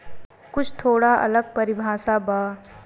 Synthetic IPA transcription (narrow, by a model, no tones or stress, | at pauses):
kʊt͡ʃʰt̪ʰoːɽaʔɐ̰ləɡ̚pɐɾɪbʱaːsabaː